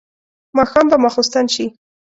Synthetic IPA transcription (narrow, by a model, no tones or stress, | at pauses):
mɑxɑmbamɑxost̪anʃi